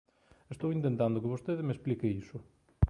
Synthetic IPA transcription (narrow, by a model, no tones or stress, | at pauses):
est̪owint̪ẽnt̪ãnd̪ʊkɪβost̪eðɪmesplikeisʊ